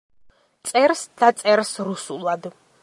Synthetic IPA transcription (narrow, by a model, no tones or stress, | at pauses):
t̪sʼɛɾsd̪̥at̪sʼɛɾsɾusulˠad̪